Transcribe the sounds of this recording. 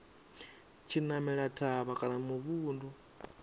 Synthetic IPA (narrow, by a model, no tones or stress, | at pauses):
t͡ʃʰinamɛɺatʰaβakʼanamuβuːndu